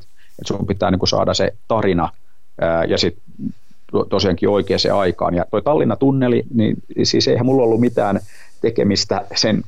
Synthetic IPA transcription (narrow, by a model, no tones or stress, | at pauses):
et̪sumpit̪æːniːŋkusɑ̰ːdɑsḛt̪ɑrinɑ | əjɑsit̪ | ot̪osiɑŋkḭːoikeːsḛːɑikɑ̰ːnjɑt̪oit̪ɑlːinɑt̪unːelḭnḭːn | sḭːseihæmulːolːumit̪æːn | t̪ekḛmist̪æsen